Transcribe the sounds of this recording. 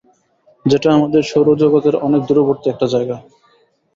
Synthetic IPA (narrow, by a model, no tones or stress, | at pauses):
d͡ʑeʈaamad̪eɾʃowɾod͡ʑoɡat̪eɾɔnek̚d̪uɾoboɾt̪iɛk̚ʈad͡ʑaeɡa